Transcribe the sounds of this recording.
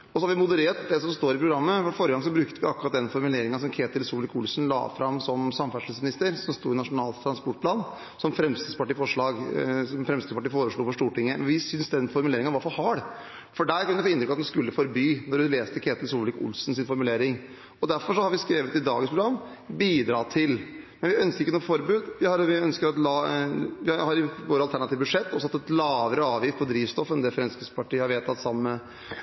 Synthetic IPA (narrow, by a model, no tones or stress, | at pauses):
ɔsɔhɑɾʋɪmʊd̪əɾeːʈd̪ɛsɔmst̪oːɾɪpʰɾʊɡɾɑmːəfɔɾfoːɾəɡɑŋs̬ɔbɾʉkt̪əʋɪɑkɾɑt̪̚d̪ɛnfɔɾmʉleːɾɪŋəsɔmkʰeːt̪əlsuːlɪkʊlsnlɑ̰ːfɾɑmːsɔmsɑmːfæʂɭsmɪnɪst̪əɾsɔmst̪uːɾɪnɑʂʊnɑːlt̪ʰɾɑnspɔʈ̚pʰlɑːn | sɔmfɾɛmst̪ɪd̪spɑʈiːfɔʂɭɑːɡsɔmfɾɛmsɪd̪spɑʈiːfoːɾəʂɭuːfɔʂʈuːʈɪŋːəʋɪsʏnsd̪ɛnfɔɾmʉleːɾɪŋənʋɑɾfɔhɑːɽ | fɔɖæɪkʉnd̪foːɪnt̪ɾʏkɑt̪nskʉlːəfɔɾbyːnɔɾɖʉleːst̪əkʰeːt̪əlsuːlɪkʊ̰lsnsɪnfɔɾmʉleːɾɪŋ | ɔd̪æɾfɔʂɔhɑɾʋɪskɾeːʋət̪ɪd̪ɑ̰ːɡənspʰɾʊɡɾɑmː | biːd̪ɾɑːt̪ʰɪl | mɛnʋɪœnskəɾɪkːənuːfɔɾbʉːd̪ʋɪhɑɾʋɪœnskəɾɑt̪lɑʋɪhɑɾɪʋoːɾəɑlt̪ʰæɳɑt̪iːʋbʉdʂɛt̪ːɔsɔɑt̪ːɛt̪lɑːʋəɾəɑːʋjɪfpʰɔd̪ɾiːʋst̪ɔfːɛnd̪ɛfɾɛnskəspʰɑʈiːhɑɾʋeːt̪ʰːɑt̪sɑmːə